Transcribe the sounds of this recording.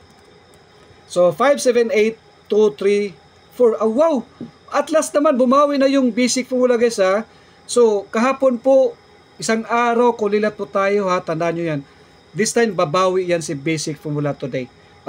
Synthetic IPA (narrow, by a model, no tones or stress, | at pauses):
sofajvsɛvɛnejt̪ːut̪ɾi | foɹʔawːawʔɐt̪lasnɐmanbʊmaːwɪnɐjʊŋbejsɪk̚fɔmʊlaɡɐsa | sokɐɦaːponpo | ʔɪsaŋʔaːɾawkʊŋlilɐt̪̚pʊt̪aːjohat̪ɐnd̪aɲojan | d̪ɪst̪ajmbɐbaːwɪʔjansɪbejsɪk̚fɔmulat̪ʊd̪ej